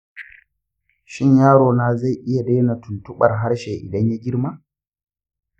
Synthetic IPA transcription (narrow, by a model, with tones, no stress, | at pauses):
ʃɪ˦˨ɲjaː˦ɽoː˨naː˦za˦˨jʔɪ˦ja˨deː˦na˨tʊ˨ntʊ˦ɓɐ̰˨rɦa˦ɽʃeː˨ʔɪ̰˨dɐ˦ɲja˦ɡʲɪ˦rmaː˦